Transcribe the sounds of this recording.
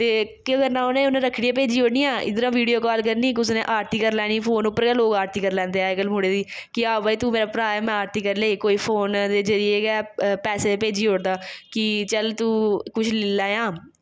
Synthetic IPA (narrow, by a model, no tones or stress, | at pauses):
t̪eːkɪɡəɾnãːʊnẽːʊnãːɾəkʰɽiɛ̃ːp̬eːd͡ʒiːɦoːɽniːaːɪ̰d̪əɾãːʋiːɖijoːkaːlkəɾniːʊsnḛ̃ːʔaːɾt̪iːkəɾlɛːɽ̃iːpʰoːnʊpːəɾkɛːloːɡaːɾt̪iːkəɾlɛ̃ːnd̪eːɛːkəlmʊːɽeːd̪iː | kɪaːbaːiːt̪uːmeːɾaːpɾaːjmɛ̃aːɾt̪iːkəɾleːiːkoːiːpʰoːnd̪eːd͡ʒəɾɪeeɡɛːpɛːseːpeːd͡ʒiːɦoːɽd̪aːkɪt͡ʃəlt̪uːkʊt͡ʃʰlɪlɛːjãː